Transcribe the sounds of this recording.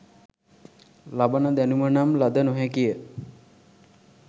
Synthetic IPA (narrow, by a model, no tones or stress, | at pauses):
labənəd̪ænumənamlad̪ənoɦɛkijə